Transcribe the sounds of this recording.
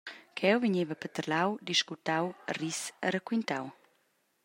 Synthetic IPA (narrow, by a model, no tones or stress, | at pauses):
kʰɛwviɲevəpət̪əɾlawd̪iʃkut̪awrisəɾəkwint̪aw